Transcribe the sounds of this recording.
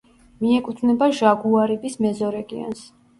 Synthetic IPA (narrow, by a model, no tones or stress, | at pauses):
miɛkʼut̪ʰvnɛbaʒaɡuaɾibismɛzɔɾɛɡḭɔ̰ns